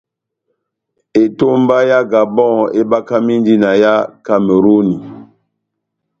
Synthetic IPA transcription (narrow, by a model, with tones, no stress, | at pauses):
e˨to˦m˦ba˦ja˦ɡa˨bɔ̃˦˨e˦ba˦ka˦mi˦ndi˦na˨ja˦ka˨me˨ɾu˦ni˨